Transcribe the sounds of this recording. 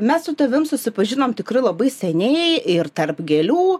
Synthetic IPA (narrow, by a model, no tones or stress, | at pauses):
mʲɛssʊt̪ɐʋʲɪmsʊsʲɪpɐʒʲɪnoːmt̪ʲɪkrɐɪlˠɐbɐɪsʲɛnʲɛɪɪrt̪ɐrpɡʲɛlʲuː